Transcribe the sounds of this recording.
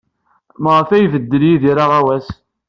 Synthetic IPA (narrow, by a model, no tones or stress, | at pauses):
məʁəfæjvəd̪ːəljiðiɾaʁæwæs